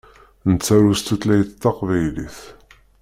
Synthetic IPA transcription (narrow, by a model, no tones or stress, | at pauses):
nət͡sːæɾust̪ət̪læjt̪t̪ːɑqvæjliθ